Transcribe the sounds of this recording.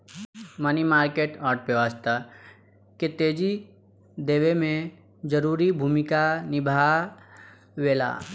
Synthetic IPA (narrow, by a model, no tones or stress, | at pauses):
mənimaːɾkeːʈɔːɾʈ̚pəʋəst̪ə | ket̪eːd͡ʒi | d̪eːʋemẽ | d͡ʒəɾuːɾibʱuːmɪkanɪbʱa | weːla̰ː